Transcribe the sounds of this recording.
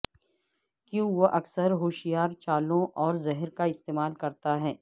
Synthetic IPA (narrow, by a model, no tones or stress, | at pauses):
kjũːʋoʔɐksəɾɦoːʃɪjaːɾt͡ʃaːlõʔɔːɾzɛɦəɾkaɪst̪eːmaːlkɐɾt̪aɦɛː